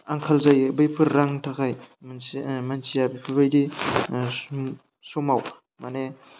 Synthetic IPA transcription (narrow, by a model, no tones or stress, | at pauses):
aŋkʰalzajbɯjpʰɯɾːaŋtʰakʰajmmansijabijpʰɯɾbajdi | sumaw | mane